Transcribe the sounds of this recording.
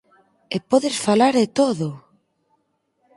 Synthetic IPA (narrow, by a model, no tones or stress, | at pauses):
epɔðɪsfalaɾðet̪oðo